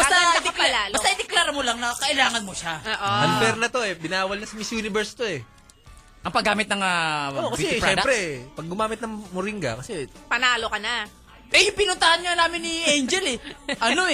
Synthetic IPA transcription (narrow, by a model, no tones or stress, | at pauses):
bɐad̪kːlbɐt̪ɐʔɪd̪ɛklaːɾɐmolaŋnɐkɐʔɪlaːŋɐnmoʃaʔmɐlbɛɾnɐt̪o̞ɛbɪnaːwɐlnɐsɐmɪsjuːnɪbɛɾst̪oɛ | ʔɐŋpɐɡaːmɪt̪nɐŋaokɐsɛʃpɾɛɛd̪pɾɛpɐɡ̚ːʊmaːmɪt̪̚nɐŋmʊɾiŋɡɐ̰kɐsɛpɐnaːlokɐna | ʔɛjpɪnʊnt̪ɐhɐnɲanaːmɪnːɪʔɛjnd͡ʒɛlɛʔɐno̞ɛ